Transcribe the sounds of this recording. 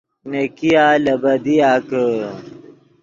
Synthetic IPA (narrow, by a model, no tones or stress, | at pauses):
nekijaːlɐbɐd̪ijaːkə